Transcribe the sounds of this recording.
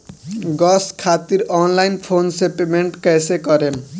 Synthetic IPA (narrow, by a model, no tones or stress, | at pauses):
ɡɔskʰat̪iɾɔnlajnpʰonsepemeɳʈkɛjsekʌɾen